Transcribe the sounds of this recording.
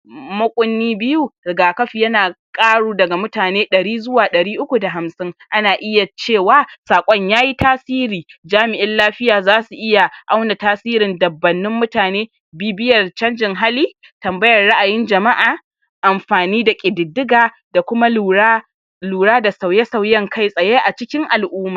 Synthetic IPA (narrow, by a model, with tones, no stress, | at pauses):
mɐ˦kʷʼʊ˦nːiː˦bɪ˦ju˦ɾɪ˨ɡaː˨kɐ˦ɸi˨jɐ˦naː˨kʼaː˦ɽuː˦dɐ˨ɡa˨mʊ˦taː˨neː˦ɗɐ˨ɽiː˦zʊ˦waː˨ɗɐ˨ɽiː˦ʔʊ˦kʷu˨da˨ɦa˨msɪ˦ŋʔa˦naː˨ʔɪ˦ja˨t͡ʃeː˦˨waː˨saː˨kʷʼɔ˦ɲjaː˦ji˦tʰaː˦siː˦ɾiː˨d͡ʒaː˦mɪ˨ʔɪ˦nlaː˦ɸɪ˦jaː˨zaː˦su˨ʔɪ˦ja˨ʔa˦wna˨taː˦siː˦ɾɪ˨ndɐ˨bːɐ˨nːɪ˦mːʊ˦taː˨neː˦ | biː˦bɪ˦jɐ˨rt͡ʃɐ˦nd͡ʒɪ˨ŋɦa˦liː˦ | tɐ˨mbɐ˦jɐ˨rːa˦ʔa˨jɪ˦nd͡ʒɐ˨ma˦ʔaː˨ | ʔa˨mɸaː˨niː˦da˨kʲʼɪ˨dɪ˨dːɪ˦ɡaː˨ | da˨kʷʊ˦ma˦˨˦ | luː˨ɽaː˦da˨sa˨wjɐ˦sa˨wjɐ˦ŋkʰa˦˨jsʼɐ˨jeː˦ʔa˨t͡ʃɪ˦kʲɪ˦ŋʔa˨lʔuː˦maː˨